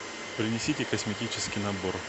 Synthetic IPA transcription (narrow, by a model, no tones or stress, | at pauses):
pɾʲɪnʲɪsʲitʲɪkəsmʲɪtʲit͡ɕɪskʲɪjnɐbor